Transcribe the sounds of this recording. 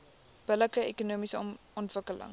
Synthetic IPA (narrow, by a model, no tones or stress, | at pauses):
b̥ələkəekunuəmisə | ɔntvəkələ̰ŋ